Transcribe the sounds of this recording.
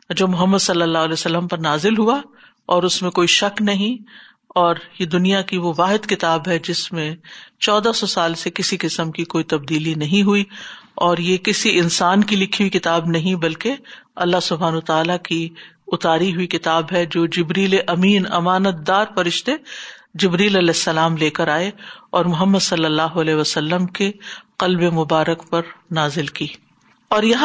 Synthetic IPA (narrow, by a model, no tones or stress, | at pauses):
d͡ʒoːmʊɦəmːəd̪sɐlːəlːaːɦlɛːsɐlːəmpɐɾnaːzɪlɦua | ɔːɾʊsmẽkoːiʃɐknɐɦĩ | ɔːɾjed̪ʊnijakiʋoʋaːɦɪd̪kɪt̪aːbɦɛd͡ʒɪsmẽt͡ʃɔːd̪asɔsaːlsekɪsikɪsəmkikoːit̪ɐb̚d̪iːlinɐɦĩɦuiɔːɾjekɪsiɪnsaːnkilɪkʰiuikɪt̪aːbnɐɦĩbɐlkeɐlːaɦsʊbʱɦaːnɐət̪aːlaki | ʊt̪aːɾiɦʊikɪt̪aːbɦɛd͡ʒoːd͡ʒɪbɾiːleʔɐmiːnɐmaːnət̪̚d̪aːɾfɐɾɪʃt̪ed͡ʒɪbɾiːlɐlɛːsːɐlaːmleːkɐɾaːeɔːɾmʊɦəmːəd̪sɐlːəlːaːɦoɐlɛːɦʋɐsɐlːəmkeqɐlbemʊbaːɾəkpɐɾnaːzɪlkiː | ɔːɾjɐɦ